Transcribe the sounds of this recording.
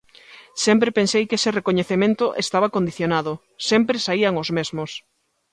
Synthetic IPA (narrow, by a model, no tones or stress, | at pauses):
sɛmpɾepẽnsejkeserekoɲeθemẽnt̪ʊʔest̪aβ̞akõnd̪iθjonaðʊ | sempɾesaiaŋozmezmos